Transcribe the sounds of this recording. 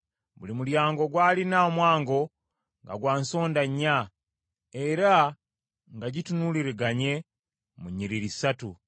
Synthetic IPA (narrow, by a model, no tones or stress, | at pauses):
bṵlimuɾjaːŋɡo̞ɡwaːlinaomwaːŋɡo̞ | ŋɡa̰ɡwaːnso̞ːndaɲːa | eɾa | ŋɡaɟitunuliɾeɡaɲe̞ | muɲiɾiɾisatu